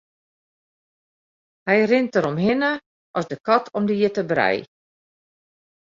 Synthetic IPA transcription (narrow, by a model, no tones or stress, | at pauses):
hɛjrɪntəɾɔmɦɪnə | ʔɔsdəkɔtʰɔmdiətəbrɛ̰j